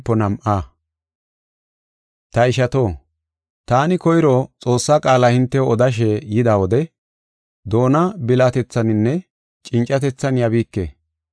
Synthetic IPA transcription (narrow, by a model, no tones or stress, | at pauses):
pːɔnɐmʔaː | t̪ɐɪʃɐt̪o̞ː | t̪aːnɪkɔjɾɔt͡sʼo̞ːsːaːkʼaːlahɪnt̪ːɛɔd̪ɐʃ̬ejɪd̪aːwɔd̪ɛ | d̪o̞ːnɐbɪlaːt̪ɛt͡sːɐnɪnːɛ | t͡ʃʼɪnt͡ʃʼːɐt̪ɛt͡sːɐnjɐbiːkːḛː